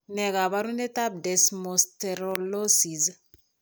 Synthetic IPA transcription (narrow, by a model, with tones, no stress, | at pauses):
nɛɡa˨βa˦ɾu˦nɛ˦ta˦b̚dɛ˨smosteɾolo˦siz